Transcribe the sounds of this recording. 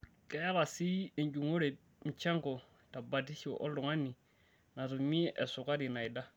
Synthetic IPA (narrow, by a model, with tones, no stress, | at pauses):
kɛ˨˦ja˦βa˨si˦e˨nd͡ʒu˨ŋo˦ɾe˨ | m̩˨t͡ʃa˦ŋkɔ˨ | ta˨ba˨ti˦ʃi˦ɔ̰˨ʔɔ̰˦lʊ˨ŋa˦ni˨ | na˨ɾu˨mi˦ʔɛ˨sʊ˨ka˦ɾi˨na˨i˨da˦